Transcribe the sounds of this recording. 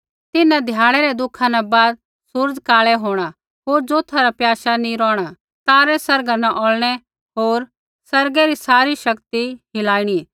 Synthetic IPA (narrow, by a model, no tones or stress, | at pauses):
t̪ɪnãd̪ʱjaːɽ̃ɛɾɛd̪ʊkʰanabaːd̪̚ | sʊɾd͡ʒkaːɭɛɦoːɽ̃a | ɦoːɾd͡ʒoːt̪ʰaɾapjaːʃanĩɾɔːɽ̃a | t̪aːɾɛsɐɾɡanaʔɔːlɽ̃ɛ | ɦoːɾ | sɐɾɡeɾisaːɾiʃɐkt̪iɦɪlaːiɽ̃i